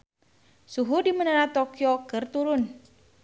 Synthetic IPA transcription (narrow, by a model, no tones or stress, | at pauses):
suɦudimənəɾat̪okjokərt̪uɾʊn